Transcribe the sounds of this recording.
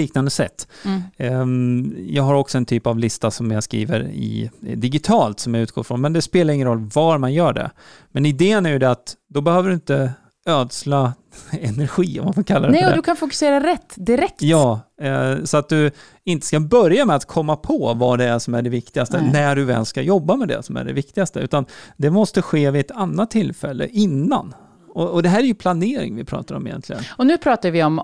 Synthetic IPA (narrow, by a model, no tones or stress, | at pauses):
iːknand̪əsɛ̰t̪ː | jɑːɡɦaɾɔksɔɛnt̪ʰyːpavlɪst̪asɔmjaskɾḭːvə̰ɾɪ̰d̪ɪɡɪt̪ʰɑːlt̪sɔmjaʉ̟t̪̚ɡ̥oːfɾɔnmɛnd̪ɛspeːlaɾɪŋːənɾɔlːvaɾmanjœːɖɛ̰ | mɛnɪd̪eːənæɾjɵd̪ɛat̪d̪ɔbɛhøːvəɖɵɪnt̪ə | øːd̪sla | ɛnæɾɧiːɔ̰manfɔkʰalːaɾnɛɔdd̪ɵkʰanfʊkɵ̥seːɾaɾɛt̪ːd̪ɪɾɛkt̪jɑː | sɔat̪̚d̪ɵ | ɪnt̪ə̥skabœɾjamɛat̪kʰɔmːapʰɔvaɖ̪ɛæʂɔmæɖɛvɪkt̪ɪɡast̪ənæɖɵvɛ̰ːlskajɔbːamɛd̪ɛ̰sɔmæ̰ɖɛ̰vɪkt̪ɪɡast̪əʉ̟ːt̪and̪ɛmɔst̪əɧeːvɪɛt̪anːat̪ʰːɪlfɛlːə̰ʔɪnːa̰n | ɔɔd̪ɛɦæːɾæɾjɵpʰlaneːɾɪ̰ŋvɪpʰɾɑ̰ːt̪aɾɔ̰mɪjɛ̰nt̪ʰlɪɡə̰nɔnʉːpʰɾɑːt̪aɾvɪɔm